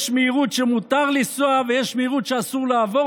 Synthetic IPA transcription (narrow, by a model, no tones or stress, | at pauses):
ʃmeiʁut̪ʃemut̪aʁlisoavejɛʃmejiʁut̪ʃeasuʁleavo